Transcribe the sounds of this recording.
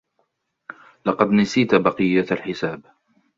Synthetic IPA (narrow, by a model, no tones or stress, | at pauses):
lɑqɑd̪nasiːt̪bɑqɨjːat̪alħɪsaːb